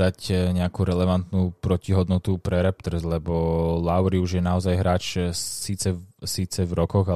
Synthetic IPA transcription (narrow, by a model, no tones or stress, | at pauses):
acɲɛakuɾɛlɛʋant̪nupɾɔciɦɔd̪nɔt̪upɾɛɾɛp̚t̪rzlɛbɔlaʊɾiuʒjɛnaɔzajɦɾaːt͡ʃsiːt͡sɛsiːt͡sɛvɾɔkɔɣa